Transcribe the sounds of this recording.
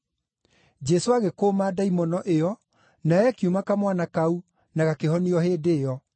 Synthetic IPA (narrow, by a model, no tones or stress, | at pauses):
d͡ʒɛsoaɣekoːmadaimɔnɔʔeɔ | naɛkjumakamwanakau | naɣakehɔniɔheːdeːɔ